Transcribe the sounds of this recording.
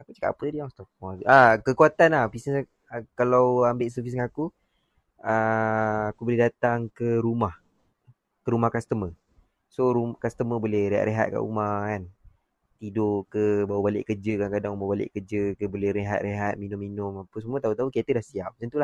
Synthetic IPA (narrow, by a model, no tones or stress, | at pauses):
akut͡ʃəka̰ʔpət̪udiaŋst̪ɔk̚hɔsakəkuat̪anapisnəs | kalawambɪʔs̬əfisdəaaku | əakubolɛhdat̪aŋkəɾumah | kəɾumahkast̪əmə | soɾumkast̪əməbolɛhreɦa̰ʔ̪ɾeɦa̰t̪̚ka̰ʔṵmakan | t̪idoʔkəbawəbalɪ̰ʔkərd͡ʒəkankadaŋbabalɪ̰ʔkəd͡ʒəkəbolɛɾeɦa̰t̪̚reɦat̪̚minʊmːinʊmapəsəmuət̪aɦut̪aɦukiat̪ədahsiap̚sənt̪ulah